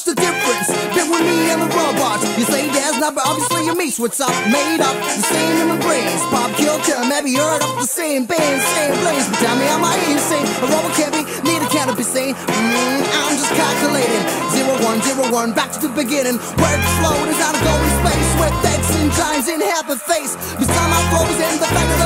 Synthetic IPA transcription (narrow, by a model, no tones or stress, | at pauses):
ɨdɪfɹɨ̃nsðəwʌmiɪ̃nðəɹʌb̚wɑt͡ʃjɨseɪɡæznʌbəɾɑbviɨslijə˞miswətsʌp̚meɪɾʌp̚ðəsẽɪ̃mɨ̃nəɡɹẽɪ̃nz̥pʰɑb̚kʰɪlˠtʰə˞meɪbiɜ˞ɾʌp̚ðəsẽɪ̃mθæ̃nsẽɪ̃mpʰl̥eɪstʰɛlˠmiãɪ̃maɪɪsẽɪ̃nəɹoʊbəkʰæ̃nbi | niɾɨkʰãʊ̃nʌvbisĩɪ̃n̩ãɪ̃md͡ʒʌskʰælˠkjəleɪɾɪ̃ŋzɪɹoʊwʌ̃nzɪɹəwʌ̃nbæk̚tʰɨðɨbɨɡɪ̃ɾ̃ɪ̃ŋbɹɛdfloʊ̃ɾɨzãʊnəɡoʊ̃nspeɪswɪdɛɡsɪ̃ntʰãɪ̃mzɪn̩hæt̚ðəfeɪs | b̥ɨstãɪ̃maɪfoʊzɪ̃n̩ðəbɛkəðə